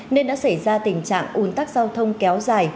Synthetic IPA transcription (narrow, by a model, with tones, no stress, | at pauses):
ne˧nɗa̰ː˧˥sa˧˩jzaː˧t̪ï˧˩ŋ̟t͡ɕa̰ː˧˨ŋʔu˨˦nt̪aː˦˥k̚zaː˧wt̪ʰə˧wŋ͡mkɛ˨˦wzaː˨˩j